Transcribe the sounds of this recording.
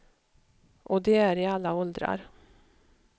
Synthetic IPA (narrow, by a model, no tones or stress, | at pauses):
ʔɔd̪ɛæɾɪalːaɔld̪ɾa̰ɾ